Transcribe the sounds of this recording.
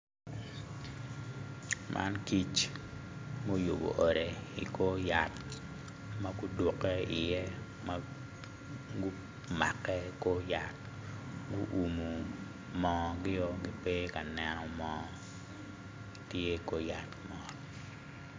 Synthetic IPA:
mʔa̰˦nki˦t͡ʃ | mo˦jo˨bo̰˨ʔɔ˨ɾe˨ḭ˨ko˦ja˨t | ma˦ɡʊ˦dwo˨kɛ˦ɪ˨jɛ˦ | ma˦ | ɡu˦ | ma˨kɛ˦ko˦ja˨t̚ | ɡu˦ʔu˨mu˨ | mɔ˨ɡɪ˦jɔ˦ɡɪ˦pe˦ka˨nɛ˨nɔ˨mɔ | i˦tje˦ko˦ja˨tmɔ˨t

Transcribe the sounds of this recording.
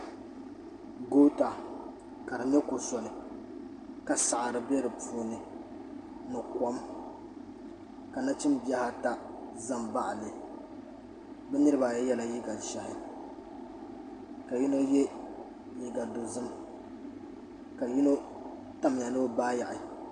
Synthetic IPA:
ɡo˦ta˨ | ka˨ɾɨ˨ɲ˦ɛ˦ko˨sɔ˨nɨ˨ | ka˨sa˨ʔa˨ɾɨ˨bɛ˦ɾɨ˨poː˨nɨ˨ | nɨ˨kɔ˦m | ka˨na˦t͡ʃɪ˦mbi˦a˦ha˦ta˦ | za˦mba˦ʔlɨ˨ | bɛ˦nɨ˦ɾɨ˦ba˨jɛ˦jɛ˦la˨ji˦ɡa˨ʃa˨hɪ˦ | ka˨ji˦no˦jɛ˦ | ji˦ɡa˨do˨zɨ˦m | ka˨ji˦no˦ | ta˨m˨a˨nɨ˦baː˦ja˨ʔɪ˨

